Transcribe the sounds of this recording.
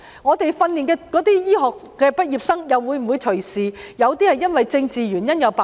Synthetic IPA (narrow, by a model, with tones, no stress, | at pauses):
ŋɔː˨˧t̪e˨jfɐ˧nliː˨˩nkɛː˧kɔː˨˥t̪iː˥jiː˥ɦɔː˨k̚kːɛː˧pɐ˥t̚jiː˨p̚sɐ˥ŋjɐ˨wwuː˨˧jm̩˨˩wu˨˧jt͡ʃʰɵ˨˩siː˨jɐ˨˧wt̪iː˥hɐ˨jːɐ˥nwɐ˨jt͡sɪ˧ŋt͡siː˨ɥyː˨˩njɐ˥njɐ˨˧wpa˨